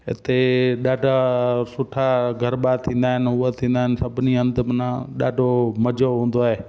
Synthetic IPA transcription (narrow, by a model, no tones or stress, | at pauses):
ɦɪ̰t̪eɗaːɖʱasʊʈʰaɡʱəɾɓat̪ʰĩːn̆d̪aːɦɪnʊat̪ʰĩːnd̪aːɦɪnsəbniə̃nd̪mnãɗaːɖʱoməd͡ʒoɦũːn̆d̪oːɦeː